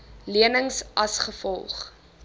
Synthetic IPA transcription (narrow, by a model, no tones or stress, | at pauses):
liənəŋsʔɐsχəfɔlˠχ